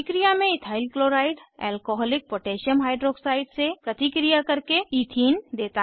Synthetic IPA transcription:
kɾijamẽɪt̪ʰaːɪlkloɾaɪɖɛ̰ːlkoɦɔːlɪk̚poʈeːʃəmɦaːɪɖɾoːksaːɪɖsepɾət̪ikɾijakəɾkeit̪ʰiːnd̪eːt̪a

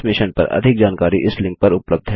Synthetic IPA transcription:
mɪʃənpɐ̰ɾʔɐ̰d̪ʱɪk̚d͡ʒaːnkaːɾiʔɪslɪ̃ŋk̚pɐɾʊpləb̚d̪ʱɦɛ

